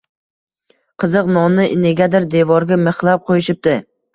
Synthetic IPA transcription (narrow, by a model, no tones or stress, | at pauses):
qʰɨzɨqnɒnɪʔɪneɡʲad̪ɪɾd̪evɒɾɡʲameχlˠap̚qʰojɪʃɪp̚t̪ɪ